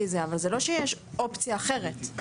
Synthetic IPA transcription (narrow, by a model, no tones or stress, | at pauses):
izeavalzelo̞ʃejeʃ | o̞pt͡sijaːχe̞ʁ̞et